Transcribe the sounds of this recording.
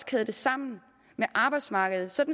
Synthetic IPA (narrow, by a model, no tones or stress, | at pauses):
skʰɛðˠd̥e̝sɑ̈m̰n̩ | meʔɑ̈ːb̥ɑ̈ɪd̥smɑ̈ːɡ̥əð̞̩ˠsɒ̽d̥n